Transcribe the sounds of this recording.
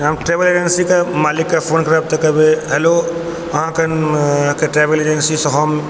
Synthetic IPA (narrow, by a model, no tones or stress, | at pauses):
amʈɾebəled͡ʒensikamaːlikːapʰoːnkɐɾab̚t̪ɐkɐbeɦɛlo | ɐɦãkənkeʈɾebəled͡ʒənsisɔ̃ɦɔm